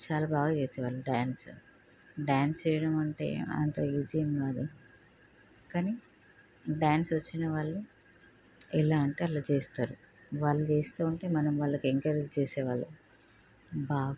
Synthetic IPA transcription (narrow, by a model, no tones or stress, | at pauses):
t͡ʃaːlaːbaːɡaːt͡ʃeːsɛːʋaːɭːuɖaːns | ɖjaːnst͡ʃɛjɐɽɐmɐɳʈḛːɐ̰nt̪ɐːid͡ʒijɐmɡaːd̪u | kaːni | ɖaːnsʋɐt͡ʃːinɐʋaːɭːu | ɛlaːɐɳʈeɐlːɐt͡ʃeːst̪aːɾu | ʋaːɭːut͡ʃe̞ːst̪uːuɳʈe̞ːmɐnɐmʋaːɭːɐkeŋkɐɾd͡ʒt͡ʃeːsɛːʋaːɭːu | baːɡ